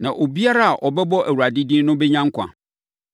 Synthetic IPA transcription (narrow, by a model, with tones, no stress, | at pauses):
nã˨ʔo˨bi˦a˦ɾa˦a˨ʔɔ˨bɛ˦bɔ˦ʔæ˨wu˨ɾa˨dɪ˦dɪ˦nʊ̃˦bɛ˦ɲã˦ŋ̩˦kʷʰã̰˨